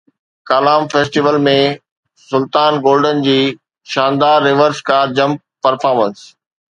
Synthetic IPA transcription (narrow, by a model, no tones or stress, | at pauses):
kaːlaːmfeːsʈiʋəlmẽ | sʊlt̪aːnɡoːlɖənɪ̆d͡ʑiː | ʃãːnd̪aːɾːɪʋəɾskaːɾd͡ʑɐ̃mp̚ | pːɐɾfaːɾməns